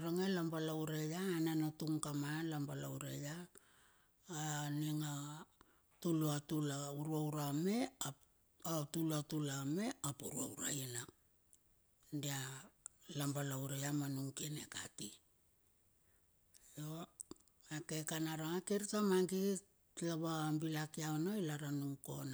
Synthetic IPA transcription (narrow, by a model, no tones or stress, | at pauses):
ɾaŋelambalawɾejaːnanotuŋkamalambalawɾeja | niŋa | tuluatulauɾuawɾame̞a | atulatulame̞apuɾua̰wɾa̰jna | ndia | lambalawɾejamanuŋkiene̞ka̰ti | jo | akekanaɾaŋakeɾitamaŋɡi | laβambilakiaonojlaɾanuŋko̞na